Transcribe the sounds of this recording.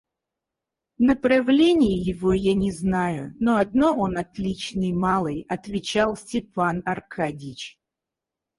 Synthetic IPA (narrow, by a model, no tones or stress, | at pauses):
nəpɾɐvlʲenʲɪjɪjɪvo̞janʲɪznajʊnoɐd̪no̞onɐt̪lʲit͡ɕnɨjmalˠɨjɐt̪vʲɪt͡ɕalˠsʲtʲɪpanɐrkʰadʲɪt͡ɕ